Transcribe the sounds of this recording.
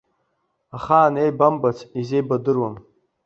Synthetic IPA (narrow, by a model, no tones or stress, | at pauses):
aχaːnejbambat͡sʰizejbadɨrwam